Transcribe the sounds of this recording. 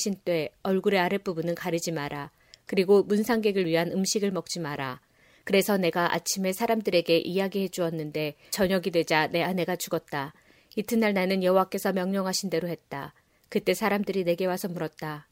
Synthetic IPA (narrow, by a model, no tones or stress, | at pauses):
ɕʰint͈we̞ʌɭɡuɾe̞aɾep͈ubunɯnkaɾɯd͡ʑimaɾa | kɯɾiɡomunsʰaŋɡe̞ɡɯɭɥiɦanɯmɕʰiɡɯɭmʌk̚t͡ɕ͈imaɾa | kɯɾe̞sʰʌne̞ɡaʔa̰t͡ɕʰime̞sʰaɾamdɯɾe̞ɡe̞ʔijaɡihe̞d͡ʑuʌnːɯnde̞t͡ɕʌɲʌɡidwe̞d͡ʑane̞ane̞ɡat͡ɕuɡʌt̚t͈a | itʰɯnːaɭnanɯnjʌɦowak͈e̞sʰʌmjʌŋɲʌŋɦaɕʰinde̞ɾohe̞t̚t͈a̰ | kɯt͈e̞sʰaɾamdɯɾine̞ɡe̞wasʰʌmuɾʌt̚t͈a